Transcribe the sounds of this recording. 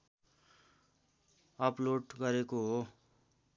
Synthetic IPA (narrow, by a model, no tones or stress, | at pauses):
ʌploʈɡʌɾekoɦo